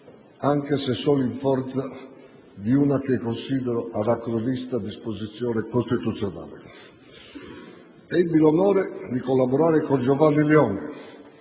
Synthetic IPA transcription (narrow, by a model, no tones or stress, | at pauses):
aŋkesesːɔːliɱfɔɾt̪sa | d̪iunakekːonsiːd̪ɛɾoʔad̪akɾolist̪ad̪ispozit̪sːjɔːnekost̪it̪ut̪sːjona̰ːlḛ | ɛbːilonɔːɾed̪ikolːabɔɾaːɾekond͡ʒɔvanːilɛɔːnɛ